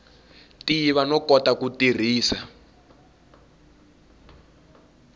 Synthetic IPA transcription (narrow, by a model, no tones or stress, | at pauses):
tiβanɔkɔtakutir̤iːsa